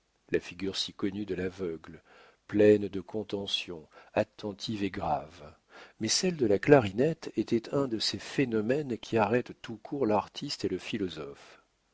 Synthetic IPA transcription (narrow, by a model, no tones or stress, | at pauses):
lafiɡʲyʁsikɔnyd̪əlavœɡl | plɛnd̪əkʰɔ̃t̪ɑ̃sjɔ̃at̪ːɑ̃t̪ʰiveɡʁav | mɛsɛld̪əlaklaʁinɛt̪et̪ɛt̪ʰɛ̃d̪əsefenɔmɛnkʲʰiaʁɛt̪ːukʰuʁlaʁt̪ʰist̪eləfilɔzɔf